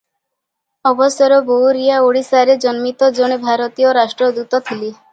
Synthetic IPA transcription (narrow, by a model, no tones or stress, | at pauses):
ɔbɔsjɔɾɔbowɾijaoɽisaɾed͡ʒɔnmit̪ɔd͡ʒoɽ̃ebʱaɾɔt̪ijɔɾasʈɾɔd̪ut̪ɔt̪ʰili